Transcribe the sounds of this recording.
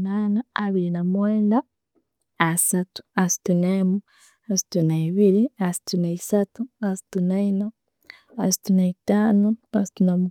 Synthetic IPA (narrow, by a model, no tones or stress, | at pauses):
naːnaaβiɾinamweːnda | asatu̥asi̥tuneːmu | asi̥tunaiβiliasi̥tunaisatuasi̥tunaino | asi̥tunaitaːnoasi̥tunamu